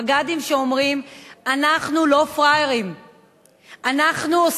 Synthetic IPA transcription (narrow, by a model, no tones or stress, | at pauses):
ɡadimʃeomʁimanaχnulo̞fʁajeʁim | anaχnuos